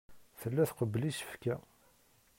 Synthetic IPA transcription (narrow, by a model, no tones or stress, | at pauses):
θəlːæθqəblisə̥fkæ